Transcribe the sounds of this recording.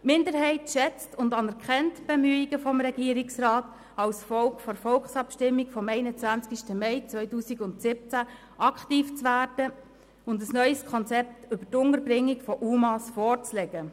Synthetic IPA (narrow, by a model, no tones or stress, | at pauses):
mɪndəɾhɛɪtʃɛt͡stʊndɑnɛɾkʰχɛntb̥ɛmyːiɡəfɔmɾɛɡiːəɾɪksrɑːt | ɑlsfɔlkfɔɾfɔlksɑpʃtɪmːikfɔmɛɪnət͡sʋænt͡skiʃtəmɛɪt͡sʋœʏtuːsiɡʊntsɪp̚t͡sæ | ʔɑkχtiːft͡sʋæːɾdə | ʊndəsnœʏskʰɔnt͡sɛp̚tʏbətʊnəɾbɾɪŋːikfɔʔuːmɑsfɔːrt͡slɛɡ̥ə